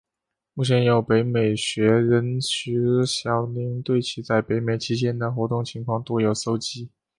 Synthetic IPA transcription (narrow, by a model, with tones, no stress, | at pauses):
mu˥˩t͡ɕʰjɛ˧˥njo˨˩ʊpe˧˥ɪme˨˩ɪɕɥɛ˧˥ɻə˧˥nt͡ɕy˧˥ɕjɑ˨˩ʊni˧˥ŋt̪we˥˩ɪt͡ɕʰi˧˥t͡sa˥˩ɪpe˧˥ɪme˨˩ɪt͡ɕʰi˥t͡ɕjɛ˥nd̪ə˨xwɔ˧˥t̪ʊ˥˩ŋt͡ɕʰi˧˥ŋkʰwɑ˥˧ŋt̪ɔ˥˩jo˨˩ʊso˥ʊt͡ɕi˥